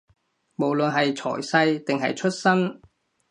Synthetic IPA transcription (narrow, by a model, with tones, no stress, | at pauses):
mo˨˩wlɵ˨nɦɐ˨jt͡sʰɔ̰ː˨˩jsɐ˧jt̪ɪ˨ŋɦɐ̰˨jt͡ʃʰɵ˥t̚sɐ˥n